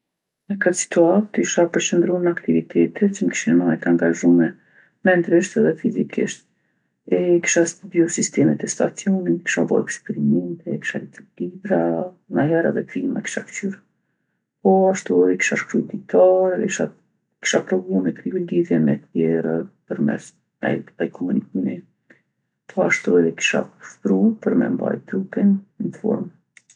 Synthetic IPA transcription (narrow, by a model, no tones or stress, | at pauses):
əkət̪si̥t̪uat̪iʃapəɾt͡ʃənd̪ɾunakt̪ivit̪ʰɛt̪ʰɛt̪t͡ʃəməki̥ʃinɛmaɛt̪aŋɡaʒumɛ | mɛnd̪ɾiʃt̪ɛðɛfizikʰḭʃt̪ | ɛki̥ʃast̪biɔsist̪ɛmɛt̪ɛst̪at͡siɔninki̥ʃavɔ̰ɛkspɛɾimɛnt̪ɛki̥ʃalit̪ulibɾa | naɦɛɾa̰ðɛkɾima̰ki̥ʃaft͡ɕyɾa | pɔaʃt̪uɛðɛki̥ʃaʃkɾud̪it̪ʰaɾɛɛkiʃa | ki̥ʃapɾɔɡumɛk̪ɾiuliðjɛmɛt̪jɛɾəpəɾmɛ̰s | nɛ̰j̪t̪ajkʰɔmunikimi | pʰɔaʃt̪uɛðɛki̥ʃa̰pʃpɾupəɾmɛ̰mba̰jt̪ɾukɛninfɔ̰ɾm